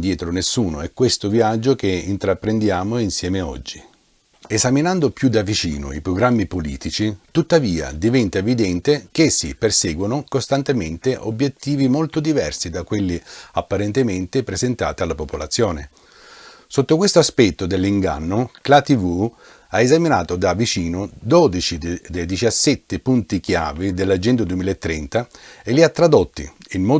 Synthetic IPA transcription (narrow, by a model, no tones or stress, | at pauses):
d̪jɛːt̪ɾonesːuːnoɛkːwest̪oviad͡ʒːokeint̪ɾapːɾend̪jaːmoinsjɛːmeɔ̰d͡ʒːi | ezaminand̪opjud̪avit͡ʃḭːno̰ipɾoɡɾamːipoliːt̪it͡ʃit̪ut̪ːaviːa̰d̪ivɛnt̪aevid̪ɛnt̪ek̟esːḭpersɛːɡwonokost̪ant̪ement̪eʔobːjet̪ːiːvimolt̪od̪ivɛrsid̪akːwelːiapːaɾent̪ement̪epɾezent̪a̰ːt̪ialːapopola̰t̪sːjoːne | sot̪ːokwest̪oaspɛt̪ːod̪elːiŋɡa̰nːoklat̪ivu | aezaminaːt̪od̪avit͡ʃiːnod̪ɔd̪it͡ʃid̪ejd̪it͡ʃasːɛt̪ːepunt̪ik̟ja̰ːvid̪elːad͡ʒɛnd̪ad̪uemiːlaet̪ːɾɛnt̪aelːiat̪ːɾad̪ot̪ːḭinmɔ